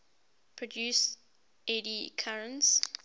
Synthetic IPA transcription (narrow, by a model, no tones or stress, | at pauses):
pʰɹɔdjus | ɛdikʰaɹə̃ns